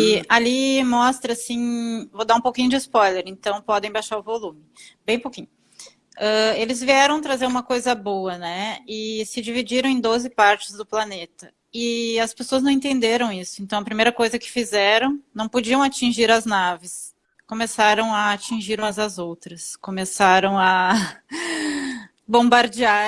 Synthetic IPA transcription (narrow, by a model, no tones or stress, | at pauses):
ialimɔst̪ɾɐsĩvod̪aũpowkĩɲʊd͡ʒɪspɔjleɾẽnt̪ɐ̃w̃pɔd̪ẽj̃bajʃaɾʊvolũmɪbẽj̃ũpowkĩɲʊ | ɛelɪzviɛɾɐ̃w̃t̪ɾazeɾũmɐkojzɐboɐnɛɪsɪd͡ʒivid͡ʒiɾɐ̃w̃ẽd̪ozɪpaɾt͡ʃɪzd̪ʊplanet̪ɐ | ɪɐspesoɐznɐ̃w̃ẽt̪ẽnd̪eɾɐ̃w̃isʊ̥ẽnt̪ɐ̃w̃ɐpɾimejɾɐkojzɐkɪ̥fizɛɾɐ̃w̃nɐ̃w̃pod͡ʒiɐ̃w̃at͡ʃĩʒiɾɐznavɪs | komesaɾɐ̃w̃ɐːt͡ʃĩʒiɾumɐzɐzowt̪ɾɐskomesaɾɐ̃w̃ɐ | bõbaɾd͡ʒia